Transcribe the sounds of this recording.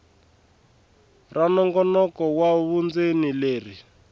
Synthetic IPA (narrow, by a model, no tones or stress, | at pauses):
ranɔŋɡɔnɔkɔwaβund͡zenileːri